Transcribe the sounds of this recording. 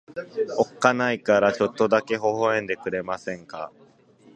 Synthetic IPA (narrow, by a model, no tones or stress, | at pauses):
o̞kːanaikaɾat͡ɕo̞t̪ːo̞d̪ake̞ɦo̞ɦo̞ẽ̞nd̪e̞kɯ̟ɾe̞masẽ̞ŋka̰